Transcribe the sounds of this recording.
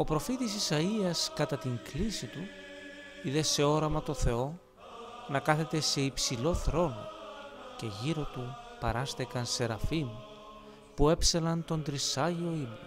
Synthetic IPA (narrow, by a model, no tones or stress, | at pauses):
o̞pɾo̞fit̪isisɐiɐskɐt̪ɐt̪iŋklisit̪u | iðe̞se̞o̞ɾɐmɐt̪o̞θe̞o̞ | nɐkɐθe̞t̪e̞se̞ipsilo̞θɾo̞no̞̰ce̞ʝiɾo̞t̪upɐɾɐst̪ekɐnse̞ɾɐfimu | pue̞pselɐnt̪o̞nd̪ɾisɐʝio̞imu